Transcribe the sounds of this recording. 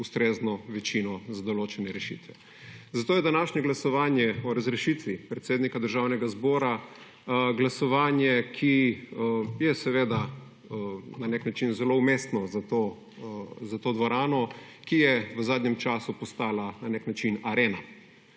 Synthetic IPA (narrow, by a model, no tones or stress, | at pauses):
ust̪ɾeːznɔʋɛt͡ʃinɔzad̪ɔloːt͡ʃɛnɛɾɛʃḭt̪ʋɛ | zat̪oːjɛd̪anaːʃɲɛɡlasɔʋaːnjɛɔɾazɾɛʃit̪ʋipɾɛt̪seːd̪nikad̪əɾʒawnɛɡazbɔːɾa | ɡlasɔʋaːnjɛkʰi | jɛsɛʋeːd̪a | naneknat͡ʃinzɛloumest̪nɔzat̪oː | zat̪oːd̪ʋɔɾaːnɔkijɛʋəzaːd̪ɲɛmt͡ʃaːsupɔst̪aːlananeknat͡ʃinaɾeːna